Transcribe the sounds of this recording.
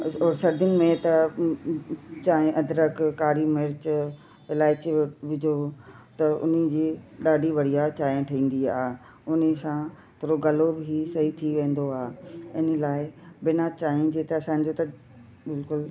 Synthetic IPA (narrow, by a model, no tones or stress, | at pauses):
oːɾsɐɾd̪ʊnɪ̆mẽt̪ɐ | t͡ɕaːẽʔɐd̪ɾəkkaːɽimɪɾt͡ɕ | ɪlaːɪt͡ɕʋɪd͡ʑʱot̪ɐʊ̰n̤d͡ʑiːɗaːɖʱiʋɐɽ̤ijat͡ɕaːẽʈʰɐĩːn̆d̪iaːɦe | ʊnesã | t̪ʰoːɾoɡɐlobʱisɐɦit̪ʰiʋẽːnd̪oaːɦeɪnəlaːɪbɪnat͡ɕaːĩd͡ʑeːt̪eɐsãːɲ̆d͡ʑot̪ɐ | bɪlkʊl